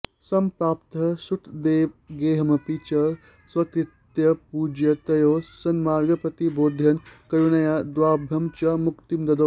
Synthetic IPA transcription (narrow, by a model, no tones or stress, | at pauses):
sɐmpɾaːpt̪ɐsuʈʰd̪eːʋɡeːɦɐmɐpit͡ʃɐ | swɐkɾɪt̪jɐpuːd͡ʒjɐt̪ɐjoːsɐnmaːɾɡɐpɐt̪iboːd̪ʱjɐnkɐɾunɐjad̪waːbʱjɐmt͡ʃɐmukt̪imd̪ɐd̪o